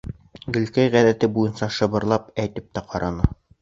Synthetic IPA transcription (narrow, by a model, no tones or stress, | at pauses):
ɡɵ̆lkæjʁæðæt̪ɘbujɤnsɑʃɤ̆βɤ̆ɾlˠɑp̚æjt̪ɘp̚t̪æqɑɾɑnɤ